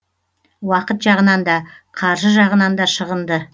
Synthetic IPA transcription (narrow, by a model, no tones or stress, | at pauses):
wɑqət̪ʒɑʁənɑnd̪ɑqʰɑɾʒəʒɑʁənɑnd̪ɑʃəʁənd̪ə